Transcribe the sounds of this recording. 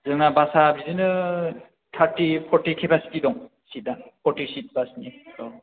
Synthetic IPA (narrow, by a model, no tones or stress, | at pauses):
zɯŋnabasabizɯnɯ | tʰaɾtipʰɔɾtikʰebaskidɔŋ | sit̚napʰɔɾtisit̚basnitɔ